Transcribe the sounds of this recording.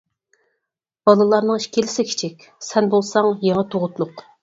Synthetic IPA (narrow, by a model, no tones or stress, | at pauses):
b̥ɑlˠɨlˠɑɾnɨŋiʃkʲʰelɪsɪkʲʰi̥t͡ʃʰikʲ | sɛnbolˠsɑŋjeŋɑt̪ʰoʁʊt̪lˠʊq